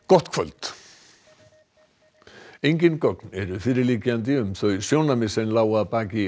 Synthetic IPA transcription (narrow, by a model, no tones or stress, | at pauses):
kɔht̪kʰvœ̰lt̪ | ejɲcɪnkɔknɛɾʏfɪɾɪliːcɪant̪̬ɪʏmθœɥsjoːwnamɪsɛnlaːwapaːcɪ